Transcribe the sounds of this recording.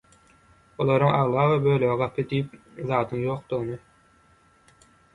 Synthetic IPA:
olˠɑɾuŋɑʁlˠɑːʁɯbøløɣiɡɑpʰɯd̪ijip̚ | ðɑːd̪ɯŋjo̞ːqd̪̥uʁnɯ

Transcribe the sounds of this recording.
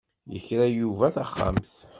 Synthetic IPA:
jə̰çɾæjuvæθaχːa̰mθ

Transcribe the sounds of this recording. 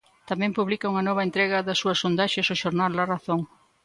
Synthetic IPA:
t̪amɛ̃mpuβlikɐuŋɐnɔβ̞ɐent̪ɾɛɣɐðɐsːuɐsːond̪aʃesoʃoɾnaldɐraθoŋ

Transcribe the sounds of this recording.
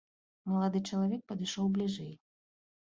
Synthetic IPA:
mɐlˠad̪ɨt͡ʂɐlˠavʲɛk̚pɐd̪ɨʂɔwblʲiʐɛj

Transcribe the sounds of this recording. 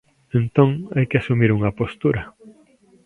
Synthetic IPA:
ent̪oŋajkɪasumiɾuŋɐpost̪uɾɐ

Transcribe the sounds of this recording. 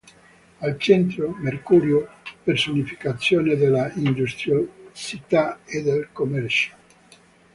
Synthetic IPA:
alt͡ʃɛnt̪ɾomerkuːɾjopersonifi̥kat̪sːjoːned̪elaind̪ust̪ɾjosit̪aed̪elkomɛrt͡ʃḁl

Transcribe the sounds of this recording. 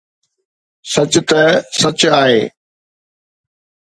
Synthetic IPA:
sɐt͡ɕʊt̪ɐsɐt͡ɕaːɦeː

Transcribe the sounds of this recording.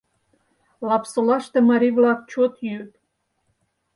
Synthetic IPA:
lɑpsolɑʃt̪ɤ̆mɑɾʲivlˠɑk̚t͡ɕot̪jyt̪

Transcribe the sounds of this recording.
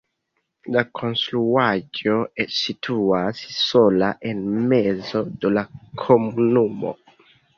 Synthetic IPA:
lakʰo̞nstɾuad͡ʒo̞ːitʰuasso̞laʔe̞nme̞zo̞dolakʰo̞munumo̰

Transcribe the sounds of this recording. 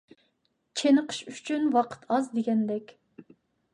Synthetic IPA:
t͡ʃʰenəqʰə̥ʃyt͡ʃʰynwɑqʰə̥t̪ʰɑzd̪eɡʲɛnd̪ɛkʲ

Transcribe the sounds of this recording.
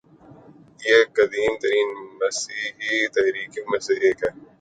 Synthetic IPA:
jeːkɐd̪iːmt̪ɐɾiːnmɐsiːɦit̪ɐɦɾiːkimɐsiɾeːkɛː

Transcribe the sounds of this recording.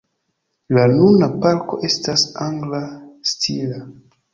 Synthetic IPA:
lanunapalko̞̰ʔe̞stasaŋɡlastʰila

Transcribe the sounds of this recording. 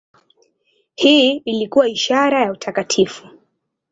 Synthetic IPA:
hiilikuwaiʃaɾajautʰakatʰifu̥

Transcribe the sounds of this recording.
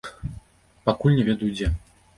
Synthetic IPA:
pakulʲnʲɛvʲɛd̪ujud͡zʲɛ

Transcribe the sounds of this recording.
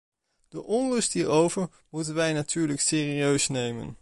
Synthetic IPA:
d̥əʔɔnrɵstɦiːɹowvəɹ | mutənʋɛjnatʰyːɹləksɪːriøɥsnejmə̰n

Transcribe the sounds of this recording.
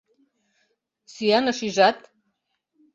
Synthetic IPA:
sijanaʂiʐatʼ

